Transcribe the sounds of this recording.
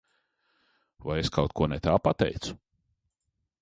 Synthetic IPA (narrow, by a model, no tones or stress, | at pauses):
vajeskawt̪̚kuɔnɛt̪aːpat̪ɛ̰jt̪su̥